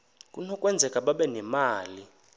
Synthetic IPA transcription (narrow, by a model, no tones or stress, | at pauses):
kʼunɔkʼwɛnd͡zʱɛkʼaɓaɓɛnɛmaːli